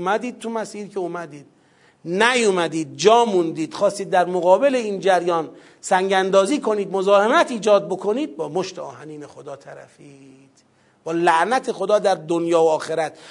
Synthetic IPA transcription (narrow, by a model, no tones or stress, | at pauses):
mæd̪iːd̪̥̚t̪ʰumæsiːɾkʰeumæd̪iːd̪̥̚ | næjumæd̪iːd̪̚d͡ʒɒːmund̪iːd̪̥xɒːst̪iːd̪ːæɾmoɣɒːbe̞leiːnd͡ʒæɾjɒːn | sæŋɟænd̪ɒːziːkʰo̞niːd̪mo̞zɒːhe̞mæt̪ʰiːd͡ʒɒːd̪̚bo̞kʰo̞niːd̪̚bɒːmoʃt̪eɒːhæniːnexod̪ɒːt̪ʰæɾæ̰fid̪̥ | b̥ɒːlæʔnæt̪ʰe̞xo̞d̪ɒːd̪æɾd̪onjɒːoːxe̞ɾæt̪